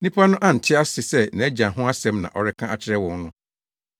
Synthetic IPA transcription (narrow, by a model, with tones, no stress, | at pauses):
nĩ˦pʰa˦nʊ̃˦ʔa˦n̩˨tʰɪ˦a˦sɪ˨sɛ˦˨nɛ̃˨˦d͡ʑã˨ɦʊ̃˦a˦sɛ̃˦mnã̰˨ʔɔ˨ɾɪ˦kʰã˦a˨t͡ɕʰɪ˨ɾɛ˦wɔ̃˨n˦nʊ̃˦